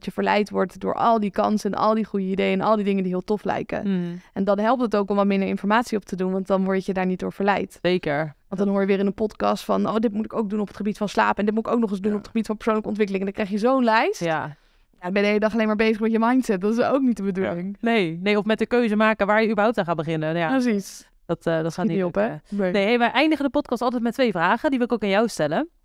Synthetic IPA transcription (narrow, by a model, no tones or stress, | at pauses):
jəvəɹlɛ̰jtʋɔɹtdʊ̰ːɹʔɑ̰lˠdikɑ̰nsɛnɑ̰lˠdiχujəidejəɛnʔɑ̰lˠdidɪŋəndiɦɪːlˠtɔflɛ̰jkə̰ɛndɑnɦɛlˠp̚tətowkɔmʋɑtmɪndəɹɪnfɔɹmaːtsiɔp̚tədunʋɑntdɑnʋɔɹjədaːɹnit̚dʊːɹv̥əɹlɛ̰jtejkəɹɑntdɑnɦoːɹjəʋɪːɾɪnənpɔtkɑ̰stfɑ̰nowdɪtmutɪkowk̚dunɔpətχəbitfɑnsla̰ːpɛndɪtmutɪkowknɔχɪszdunɔpətχəbitfɑnpə̥ɹsownləkəɔntʋɪkəlɪŋɛndɑŋkrɛjχjəzownlɛjsta | jabɛnəɦejlədɑχɑlejnmaːɹbejzəχmɛtjəmɑjntsɛt̚dɑtɪsowk̚nitdəbədulɪŋnejnejɔfmɛtəkøɥzəmaːkəʋaːɹjəybəɹɦawp̚tanχaːbəχɪnəjapəsis | d̥ɑtːdɔtχaːtnipɛnejɦeʋɛʔɛjndəχədəpɔtkɑstɑlˠtɛjtmɛtʋejvraːχədiʋɪlɪkowkanjawstɛlə